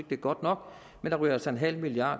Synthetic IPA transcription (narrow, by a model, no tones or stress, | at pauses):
ɡ̥̚d̥eɡ̥ɒ̽d̥nɒ̽ɡ̥ | mend̥ɑ̈ʁy̰ɐsɑe̝nɦæl̰milijɑ̥̈ː